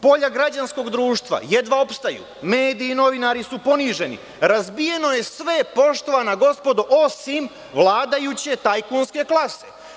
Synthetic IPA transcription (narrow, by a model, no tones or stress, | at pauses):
po̞ʎaɡɾad͡ʑansko̞ɡd̪ɾuːʃt̪ʋa̰je̞d̪ʋao̞pst̪ajṵ | me̞ːd̪iːno̞ʋinaɾisupo̞niːʒe̞nḭ | ɾazbije̞no̞je̞sʋe̞po̞ʃt̪o̞ʋanaɡo̞spo̞d̪uʔo̞sim | ʋlˠaːd̪ajut͡ɕe̞t̪ajkunske̞klˠase̞